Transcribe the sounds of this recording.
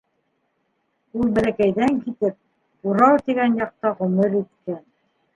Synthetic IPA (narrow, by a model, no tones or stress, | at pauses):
ulˠbælækæjðæŋkit̪ɘp̚ | uɾɑwt̪iɡænjɑq̚t̪ɑʁɵ̆mɘɾit̪̚kæn